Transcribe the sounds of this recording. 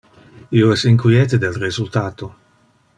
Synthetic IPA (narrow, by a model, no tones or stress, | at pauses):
ioɛsiŋkwiɛːt̪ed̪elrezult̪aːt̪o